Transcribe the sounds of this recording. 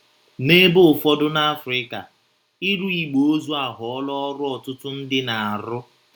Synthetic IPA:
ne˦bʊ˦˨fɔ˦dʊ˦na˦fɾɪ˦ka˨ | i˦ɾu˦i˨ɡ͡bo˨o˦zu˦a˨ɦʊ˨ɔ˦lɔ˦ɔ˦ɾʊ˦ɔ˨tʊ˦tʊ˦n̩˦dɪ˦na˨a˨ɾʊ˦

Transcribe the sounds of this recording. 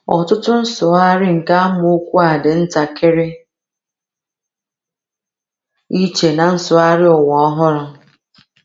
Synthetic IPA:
ɔ̰˨tʊ˦tʊ˦n̩˦sʊ˨a˦ɾɪ˦ŋ̩˨ka˦mʊ˦u˦kʷu˦a˨dɪ˨n̩˦ta˨kʰɪ˦ɾɪ˦ | i˦t͡ʃe˨na˨n̩˦sʊ˨a˦ɾɪ˦ɔ˨wɔ˨ɔ˦ɦʊ˦ɾʊ˦

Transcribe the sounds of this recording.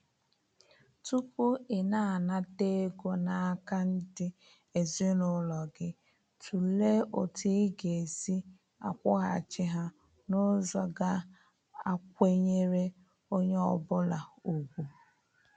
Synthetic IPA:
tu˦kʷu˦ɪ˨na˦a˨na˦te˦ɡo˦na˨a˦ka˦n̩˦dɪ˦ | e˨zɪ˦nʊ˦lɔ˨ɡɪ˦ | tʰu˨le˦o̰˨tʰi˦ɡe˨e˨zi˦ | a̰˨kʷʊ˦ɦa˨t͡ʃɪ˦ɦa˦ | no˦zɔ˦ɡa˦ | a˦˨k̚ʷe˦ɲe˦ɾe˦ | o˦ɲe˦ɔ˨bʊ˦la˨u˨ɡʷu˨

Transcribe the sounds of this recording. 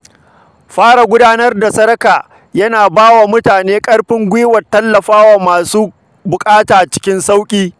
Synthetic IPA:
ɸaː˦ɽa˨ɡʷʊ˦daː˦nɐ˦rda˨sɐ˦ɾɐ˦kaː˨ | jɐ˦naː˨baː˦wa˨mʊ˦taː˨neː˦kʼɐ˦ɽɸɪ˦ŋɡʷiː˦wɐ˨tːɐ˦lːɐ˨ɸaː˦wa˨maː˨suː˦ | bʊ˨kʼaː˦taː˨t͡ʃɪ̥˦kʲɪ˦nsa˦wkʲʼiː˦

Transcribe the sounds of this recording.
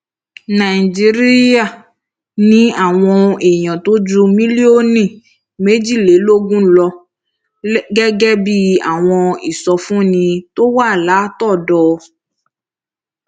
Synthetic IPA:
nã˨i˨d͡ʒi˨˦ɾi˦a˦˨ | nĩ˦a˨w̃ɔ̃˧e˨ɲɔ̃˨t̪o˦d͡ʒu˦mĩ˦li˦o˦nĩ˦˨ | me˦d͡ʒi˦˨le˨˦lo˦ɡũ˦lɔ˧˦ | ɡɛ˦ɡɛ˦bi˦a̰˨w̃ɔ̃˧i˨sɔ˧fũ˦nĩ˧t̪o˦wa˦˨la˨˦t̪ɔ˦˨dɔ˨

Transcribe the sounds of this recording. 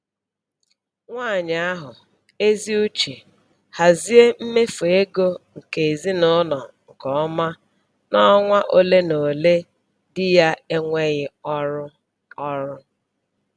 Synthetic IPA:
ŋʷaː˦˨ɲa˨˦a˦ɦʊ˨ | e˦zi˦u˦t͡ʃi˨ | ha˨zi˦e˦m̩˦me˦fo˨e˦ɡo˦ŋ̩˨ke˨e˨zi˦nʊ˦nɔ˨ŋ̩˨kɔ˨ɔ˦ma˦ | nɔ˦ŋʷa˦ʔo˦le˦no˨le˦ | dɪ˦ja˦e˦ŋʷe˦ɣɪ˦ɔ˦ɾʊ˦ | ɔ˦ɾʊ˦

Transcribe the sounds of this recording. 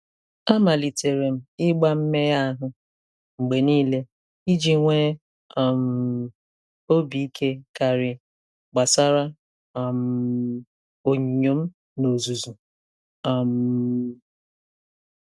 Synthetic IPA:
a˦ma˨li˨te˨ɾe˨m̩˦ɪ˦ɡ͡ba˦m̩˦me˦ja˦a˦ɦʊ˦ | ŋ͡m̩˨ɡ͡be˨niː˦le˦ | i˦d͡ʒi˦ŋʷe˦˨ | m̩˨ | o˦bi˨i˦kʰe˦ka˨ɾɪ˨ | ɡ͡ba˨sa˦ɾa˦˨ | m̩˨ | o˨ɲi˨ɲo˨m̩˦ | no˨zu˨zu˨ | m̩˨

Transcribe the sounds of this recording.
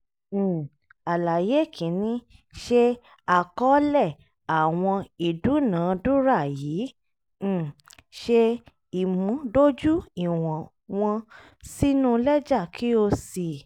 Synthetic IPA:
a˨la˨je˨˦˨kʰĩ˨˦nĩ˦ʃe˦ | a˨kɔ˦lɛ˦˨ | a˨w̃ɔ̃˧i˨du˨˦nãː˨˦du˦ɾa˦˨jĩː˨˦˨ | ʃe˦˧ | i˨mũ˨˦do˦d͡ʒu˦i˦˨w̃ɔ̃˨ | w̃ɔ̃˧ | si˦nũ˦˧lɛ˦d͡ʒa˦˨kʰi˦o˧si˨

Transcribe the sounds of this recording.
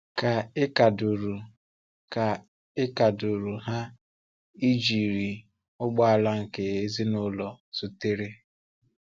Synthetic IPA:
ka˨ɪ˦ka˨du˨ɾu˨ | ka˨ | ɪ˦ka˨dʊ˨ɾu˨ɦa˦ | i˦d͡ʒi˨ɾi˨ | ʊ˦ɡ͡bɔ˦a˨la˦ŋ̩˨ke˨e˦zi˦nʊ˦lɔ˨su˦te˦ɾe˦

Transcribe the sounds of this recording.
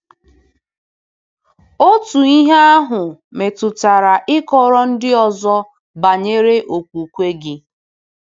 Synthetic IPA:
o˦tu˨i˦ɦe˦a˦ɦʊ˨me˨tʊ˨ta˨ɾa˨ʔɪ˦kɔ˦ɾɔ˦n̩˦dɪ˦ɔ˨zɔ˦ | ba˨ɲe˦ɾe˦ʔo˨kʷu˨kʷe˦ɡɪ˦

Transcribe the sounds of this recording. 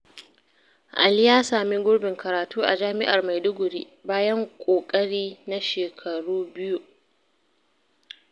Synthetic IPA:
ʔa̰˨ljaː˦saː˨mi˦ɡʷʊ˦ɽbɪ˨ŋkɐ˨ɾaː˨tuː˦ʔa̰˨d͡ʒaː˦mɪ˦ʔa˨rma˨jdʊ˦ɡʷʊ˨ɾi˦ | baː˦jɐ˦ŋkʷʼoː˨kʼɐ˦ɽiː˦na˦ʃeː˨kʰɐ˨ɽuː˦bɪ˦ju˦

